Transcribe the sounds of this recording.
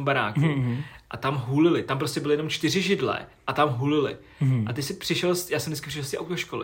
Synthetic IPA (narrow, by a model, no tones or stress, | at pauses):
mbaɾa̰ːkuʔat̪amɦuːlɪlɪt̪amp̬ɾoscɛbɪlɪjɛno̞mt͡ʃt̪ɪrɪʒɪdlɛ̰ʔat̪amɦuːlɪlɪ̰ | ʔat̪ɛcʲsɪpr̥ɪʃɛlsjaːsɛmdɛit͡skɪ̥prɪʃɛlst̪ɛʔa̰wt̪oʃkolɪ